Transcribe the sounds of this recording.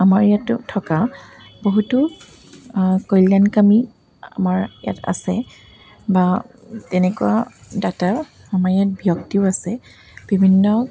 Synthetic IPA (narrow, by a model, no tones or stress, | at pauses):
amaɹjatʊ̰tʰɔka | boɦutu | kɔjljankami | a̰maɹja̰ta̰sɛ | ba | tɛnɛkuwadata | amaɹjat̚bijɔktiʊasɛ | b̥ibʱinːɔ